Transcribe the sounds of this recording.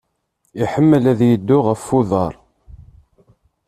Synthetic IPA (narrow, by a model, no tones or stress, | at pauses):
iħəmːəlæðjəd̪ːʊʁəfːuðˤɑɾˤ